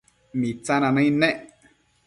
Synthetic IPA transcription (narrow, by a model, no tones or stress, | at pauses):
mĩt͡sãnãnãĩnẽʔ